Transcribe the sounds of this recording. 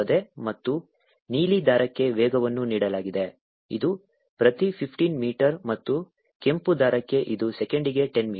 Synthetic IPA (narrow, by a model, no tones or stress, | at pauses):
ɐd̪e̞mɐt̪ːu | niːlid̪aːɾɐkːe̞ʋɛːɡɐʋɐnːuniːɽɐlaːɡid̪e | ḭd̪u | pɾɐt̪ipʰipʰʈiːnmiːʈɐɾmɐt̪ːu | ke̞mpud̪aːɾɐkːe̞ʔid̪usekeɳɖiɡe̞ʈenmiː